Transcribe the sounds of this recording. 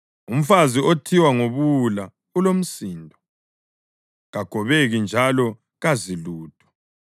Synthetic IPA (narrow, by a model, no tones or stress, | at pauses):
um̩faziotʰiwaŋoβula | ulom̩siːndʱɔ | ɣaɡ̥ʱɔβeɣind͡ʒʱalɔ | ɣaziluːtʰʼɔ̥